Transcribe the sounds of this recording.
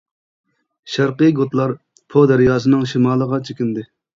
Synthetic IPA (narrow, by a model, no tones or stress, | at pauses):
ʃæɾqəɡot̪lˠɑɾ | pʰod̪æɾjɑːzɨnɨŋʃimɑːlˠəʁɑt͡ʃʰekʲind̪ɪ